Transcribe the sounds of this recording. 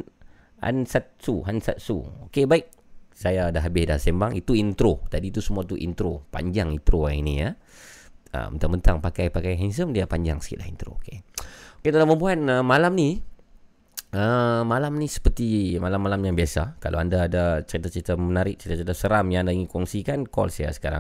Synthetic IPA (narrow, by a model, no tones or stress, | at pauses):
a̰nsat̪̚suɦansa̰t̪̚sṵokebaɪk̚ | sajadaɦabɪsda̰sembaŋit̪uint̪ɾot̪adit̪usəmuat̪uʔḭnt̪ɾopa̰ɲd͡ʒaŋint̪ɾoainija | ə̰mənt̪ambənt̪aŋpakajpakajɦans̬əmdiapaɲd͡ʒaŋsə̥kḭt̪ʔ̚la̰ɦint̪ɾo̰okeoket̪əlaməmbuɦan̚əmalamni | əmalamnisə̥pərt̪imalamːalamjaŋbiasakalʔa̰andaːdat͡ʃəɾit̪at͡ʃəɾit̪amənaɾɪk̚t͡ʃəɾit̪at͡ʃəɾit̪asəɾamjãŋandaiŋikɔŋsikankɔ̰lsaja̰sə̥kaɾa̰ŋ